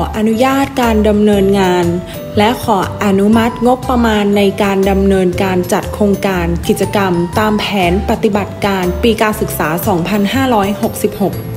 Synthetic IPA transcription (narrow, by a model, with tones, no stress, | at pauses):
ʔa˧nu˦˥jaː˥˩t̪̚kaː˧nda˧mnɤː˧nŋaː˧n | lɛ˦˥ʔkʰɔː˩˦ʔa˧nu˦˥ma˦˥t̪̚ŋo˦˥k̚pɾa˧maː˧nːa˧jkaː˧nda˧mnɤː˧nkaː˧nt͡ɕa˨˩t̪̚kʰɾoː˧ŋkaː˧nki˨˩t̪̚t͡ɕa˧ka˧mt̪aː˧mpʰɛː˩˦npa˨˧˩t̪i˨˩ba˨˩t̪̚kaː˧npiː˧kaː˧nsɯ˨˩k̚saː˩˦sɔː˩˦ŋpʰa˧nhaː˥˩ɾɔː˦˥jho˨˩k̚si˨˩p̚ho˨˩k̚